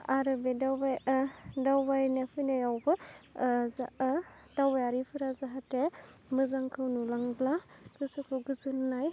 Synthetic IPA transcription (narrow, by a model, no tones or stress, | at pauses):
aɾɯbedawbajdawbajnepʰɯjnajawbɯ | zadawbajaɾipʰɯɾazaɦatemɯzaŋkʰɯwnulaŋblakɯsɯkʰɯɡɯzɯnnaj